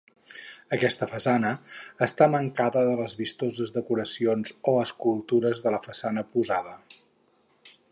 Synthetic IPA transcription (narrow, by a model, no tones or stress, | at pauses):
əkɛst̪əfəsanəːst̪aməŋkaðəðələzβist̪ozəzðəkuɾəsionzoəskulˠt̪uɾəzðələfəsanəpuzaðə